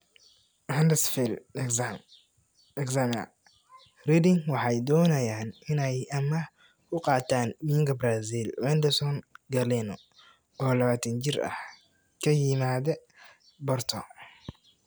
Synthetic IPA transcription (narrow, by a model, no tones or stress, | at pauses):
ʕɛnd̪ɛsfil | ɛksamɐ̰ | rɛd̪ɪŋwɑħɑjd̪ɔːnɐjaːnɪnɛjɐmɐ | kʰʊqɑːt̪ʰaːnmiːɪŋkʰɐbɾazilwɛnd̪ɛsɔnɡɐlɛnɔ̰ | ɔːlɐβaːt̪ʰɐnt͡ʃɪrɐ̰h | kʰɐjɪmaːðɛ | bɔrt̪ʰɔ